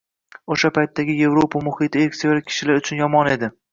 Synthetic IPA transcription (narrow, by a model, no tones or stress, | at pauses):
oʃapʰajt̪ːaɡʲɪje̞vɾopʰamʊhɪt̪ʰɪeɾkʲsijɒlakʲʰːɪ̥ʃɪlaɾʊt͡ʃʰʊnjɒmɒne̞d̪ɪ